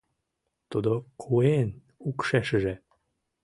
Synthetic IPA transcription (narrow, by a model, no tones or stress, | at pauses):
t̪ud̪okʰuen | ukʃeʃə̆ʒe